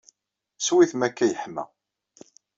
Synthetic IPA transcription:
swiθmækːæjəħmæ̰

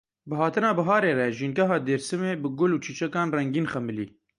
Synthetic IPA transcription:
bɨɦɑːt̪ɨnɑːbɐɦɑːɾeːrɛʒiːnɡɛɦɑːd̪eːɾsɨmeːbɨɡʊluːt͡ʃʰiːt͡ʃɛkɑːnrɛŋɡiːnxɛmɨlḭː

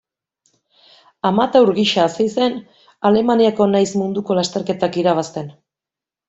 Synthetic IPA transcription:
amat̪awɾɣiʃasejse̞n | ale̞maniako̞najsmund̪uko̞last̪e̞ɾke̞t̪akiɾaβ̞ast̪e̞n

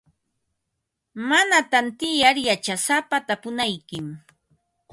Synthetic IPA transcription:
manat̪ant̪ɪjaɾjat͡ʃasapat̪apʊnajkɪm

